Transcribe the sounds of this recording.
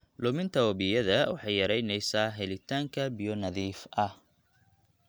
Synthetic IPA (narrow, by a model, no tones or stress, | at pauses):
lʊmɪnt̪ʰɐwɐβɪjɐðɐwɑ̰ħɑjjɐɾɛjnɛjsaːɦɛlɪt̪ʰaːŋkʰɐbijɔnɐðiːfʔɐh